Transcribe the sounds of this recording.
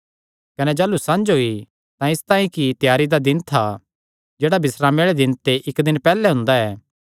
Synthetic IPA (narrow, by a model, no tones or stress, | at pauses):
kɐnɛd͡ʒaːlusɐ̃nd͡ʒɦoːi | t̪ãɪst̪ãːĩkit̪jaːɾid̪ad̪ɪnt̪ʰa | d͡ʒeːɽabɪsɾaːmeɽed̪ɪnt̪eʔɪkd̪ɪnpɛːlɛɦʊ̃nd̪aɛː